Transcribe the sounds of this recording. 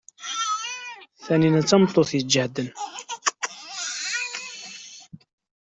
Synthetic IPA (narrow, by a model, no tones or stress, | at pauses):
θæninæt͡sːɑmt̪ˤːoθjəd͡ʒəhd̪ən